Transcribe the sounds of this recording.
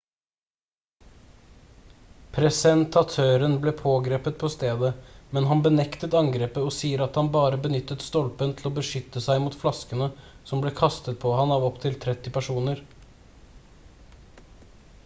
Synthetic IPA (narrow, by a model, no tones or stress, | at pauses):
pʰɾɛsɛnt̪ʰɑt̪ʰøːɾənblɛːpʰoːɡɾeːpət̪̚pʰɔst̪eːd̪əmɛnɦɑnbənɛkt̪ət̪ɑŋɡɾeːpəɔsiːəɾɑt̪hɑnbɑːɾəbənʏt̪ːət̪st̪ɔlpənt̪ʰl̩oːbəʂʏt̪ːəsæɪmuːt̪flɑskənə | sɔmbleːkʰɑst̪ət̪̚pʰɔhɑnɑːʋɔpt̪ʰɪlt̪ʰɾɛt̪ːɪpæʂuːnəɾ